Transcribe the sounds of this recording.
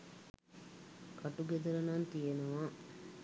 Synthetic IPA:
kɐʈuɡed̪ɐɾɐnant̪ijenuʋaː

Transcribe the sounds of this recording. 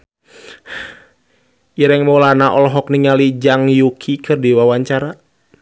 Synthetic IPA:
iɾɛŋmɔlanaʔɔlɦɔkniŋalid͡ʒaŋjukʰikʰɨrdiwawaɲt͡ʃaɾa

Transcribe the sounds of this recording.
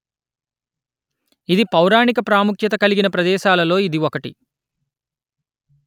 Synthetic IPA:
id̪ipɐwɾaːɳikɐpɾaːmukʰjɐt̪ɐkɐliɡinɐpɾɐd̪ɛːʃaːlɐlo̞ːid̪iʋokɐʈḭ

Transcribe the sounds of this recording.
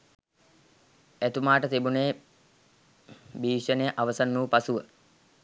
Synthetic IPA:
æt̪umaːʈət̪ebuneː | biːʂənejəʔaʋəsanːuːpasuʋə

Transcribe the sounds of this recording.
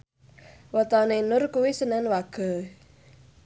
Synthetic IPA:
wɔt̪ɔnenʊrkuwisənanwaɡ̥ə̤

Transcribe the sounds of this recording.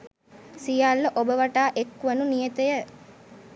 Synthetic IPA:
sijalːəʔobəʋaʈaːʔekːʋənunijət̪əjə

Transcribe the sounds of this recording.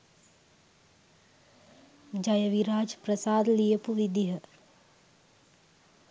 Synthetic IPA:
d͡ʒajəʋiɾaːd͡ʒpɾɐsaːd̪lijəpuʋid̪iɦə

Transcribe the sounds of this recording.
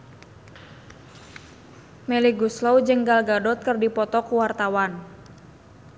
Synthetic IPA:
mɛliɡuslɔwd͡ʒəŋɡalɡadɔt̪̚kərdipɔt̪ɔkuwart̪awan

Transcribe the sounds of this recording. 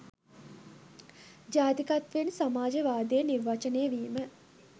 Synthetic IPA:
d͡ʒaːt̪ikat̪ʋensamaːd͡ʒeʋaːd̪ejəniɾʋat͡ʃənejəʋiːmə

